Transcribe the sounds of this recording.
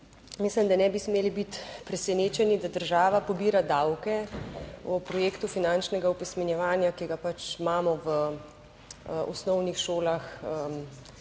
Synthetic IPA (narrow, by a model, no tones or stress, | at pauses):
mislimd̪anɛbismeːlibit̪pɾɛsɛneːt͡ʃɛnid̪ad̪əɾʒaːʋapɔbiːɾad̪awkɛ | ɔpɾɔjeːkt̪ufinant͡ʃnɛɡaupɛsmɛnjɛʋaːnjakiɡapat͡ʃmaːmɔʋə | ɔ̰snɔwnixʃoːlaxəm